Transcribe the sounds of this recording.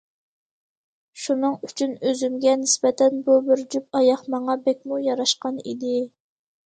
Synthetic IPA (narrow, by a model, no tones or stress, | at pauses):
ʃunɨŋyt͡ʃʰynøzymɡʲɛnɪsbɛt̪ʰɛnbubɪɾd͡ʒyp̚ɑjɑχmɑŋɑbɛkʲmujɑɾɑʃqɑnḭd̪ɪ